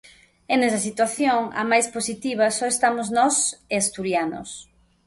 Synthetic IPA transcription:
enɛsɐs̬it̪waθjoŋɐ̰majsposit̪iβ̞ɐsɔest̪amoznɔseast̪uɾjanʊ̰s

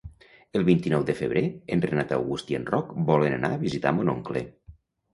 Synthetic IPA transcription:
əlˠβint̪inɔwðəfəβ̞ɾeenrenat̪a̰wɣust̪iənrɔkbɔlənana̰əβizit̪amono̰ŋklḛ

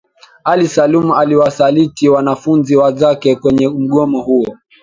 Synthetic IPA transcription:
alisalumualiwasalitiwanafunziwazakɛkwɛɲɛm̩ɠɔmɔhuɔ

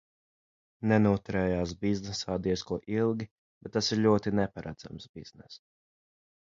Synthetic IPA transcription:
nɛnuɔt̪uɾɛːjaːs̬biznɛsaːd̪iɛskuɔʔilˠɡʲi | b̥ɛt̪ːasiɾlʲuɔt̪inɛpaɾʔad̪z̥a̰msbiznɛs

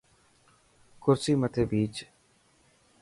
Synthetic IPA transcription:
kʊɾsiːmət̪ʰeːbiːt͡ʃ

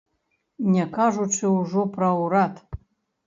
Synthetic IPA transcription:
nʲɛkaʐut͡ʂɨwʐɔpɾɐwɾat̪

